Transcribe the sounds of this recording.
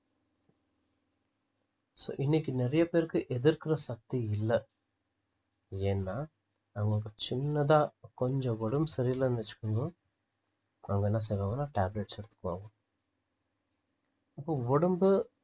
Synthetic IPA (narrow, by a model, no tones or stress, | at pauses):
so̰ːʔinːikːinɛɾɐjɐpeːɾkɯʔed̪iɾkiɾɐsɐk̚t̪iɪlːɐ | eːnːaː | ɐŋɡokːɐt͡ʃɪnːɐd̪aːkɔɲd͡ʒõʋɔɽumbsɐɾijɐlɐːnɪɐt͡ʃːu̥kːɐŋɡɐ | ɐŋɡɐnːas̬ɛɡɐʋɐnaːʈaːbleʈsɛɽt̪ːɯ̥kːʋa̰ːɡu | ɐpːoʋɔɽumbɯ